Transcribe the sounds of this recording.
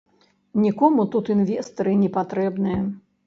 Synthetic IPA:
nʲikɔmut̪ut̪ɨnvʲɛst̪ɐɾɨnʲɛpat̪ɾɛbnɨjɐ

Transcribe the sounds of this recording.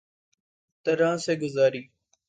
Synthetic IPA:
t̪əɾãːsẽːɡʊzaːɾiː

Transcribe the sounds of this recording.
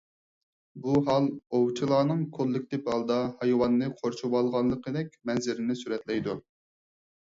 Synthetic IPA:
buɦɑlˠowt͡ʃʰilˠɑːnɨŋkʰolˠːɪkʲt̪ɪphɑlˠd̪ɑhɑjwɑnːɨqʰoɾʃuwɑlˠʁɑnlˠəqəd̪ɛkʲmɛnzɪɾɪnɪsyɾɛt̪lɛjd̪u

